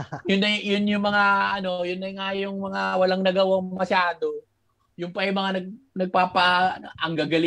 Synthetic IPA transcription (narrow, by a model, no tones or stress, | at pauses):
jʊnːɐjʊnjʊŋmɐŋaɐno̞jʊnːɐŋajʊŋmɐŋawɐlaŋnɐɡɐwaŋmɐʃaːd̪o̞ | jʊŋpɐjmɐŋanɐɡ̚nɐɡ̚paːpɐʔɐŋɡaɡɐl